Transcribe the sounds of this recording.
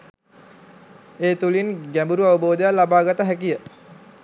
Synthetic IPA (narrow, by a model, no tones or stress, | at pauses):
eːt̪ulinɡæmbuɾuaʋəboːd̪əjalabaːɡat̪əɦækijə